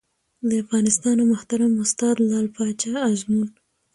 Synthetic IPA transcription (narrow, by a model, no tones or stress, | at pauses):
ləafɣɑnɪst̪ɑnamʊht̪aɾamʊst̪ɑd̪lɑlpɑt͡ʃaazmun